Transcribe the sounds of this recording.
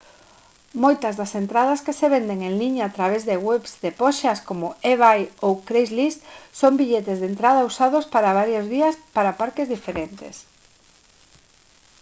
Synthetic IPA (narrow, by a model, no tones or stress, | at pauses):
mojt̪ɐzðɐsent̪ɾaðɐskeseβend̪eŋeŋliɲaːt̪ɾaβ̞ezðeɣwɛβzd̪epɔʃɐskomʊeβajowkɾejzlist̪sombiʎet̪ezðent̪ɾað̞ɐusað̞ospaɾaβ̞aɾjozðiɐspaɾapaɾkezðifeɾent̪ḛs